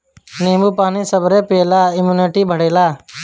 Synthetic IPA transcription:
neːmuːpaːniːsəbʱɾeːpeːlaːɪmjuːneːʈiːbʱəɽeːlaː

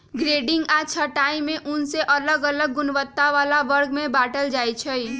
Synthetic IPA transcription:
ɡɾeɖiŋɡat͡ʃʰəʈaĩmẽʔunseʔələɡələɡːʊnʋət̪ːaʋalaʋəɾɡmẽbaʈəld͡ʒajt͡ʃʰəj

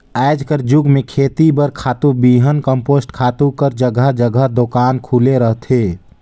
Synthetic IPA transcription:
aɪd͡ʒkəɾd͡ʒuɡmekʰeːt̪ibəɾkʰaːt̪ubiɦənkəmpoːsʈkʰaːt̪ukəɾd͡ʒəɡəɦd͡ʒəɡəɦd̪okaːnkʰuleɾəɦt̪ʰe

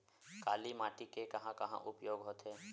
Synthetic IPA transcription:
kaːlimaːʈikekɐɦãkɐɦã̰ʔʊpjoːɡɦoːt̪eː

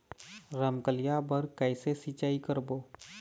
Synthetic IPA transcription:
ɾəmkəlɪjabəɾkɛːsesit͡ʃaːikəɾboː

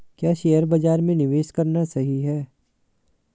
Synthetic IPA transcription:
kjaːʃeːjəɾbɐd͡ʒaːɾmẽnɪʋeːʃkɐɾnasɐɦiɦɛː

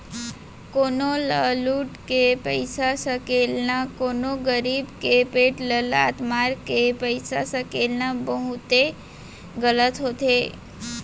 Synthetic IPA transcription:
konoləluʈkepəjsasəkelnakonoɡəɾibkepeʈləla̰t̪maɾkepəjsasəkelnabəɦut̪e | ɡələt̪ɦot̪e

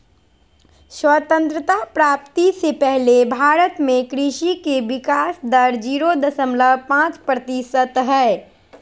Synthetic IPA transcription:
swət̪ə̃nt̪ɾət̪apɾaːpt̪isepɛɦlebʱaːɾət̪mẽkɾiʃikeʋɪkaːsd̪əɾd͡ʒiːɾod̪əsəmləbpãːt͡ʃpɾət̪isət̪ɦɛː

